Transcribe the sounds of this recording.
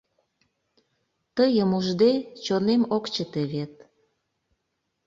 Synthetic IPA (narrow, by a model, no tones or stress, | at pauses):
t̪əjəmuʒd̪et͡ɕonemokt͡ɕət̪eβet̪̚